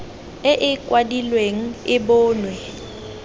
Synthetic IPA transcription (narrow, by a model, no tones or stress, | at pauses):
ɪʔɪkʼwadilweŋ̩ɪbʊːnwɛ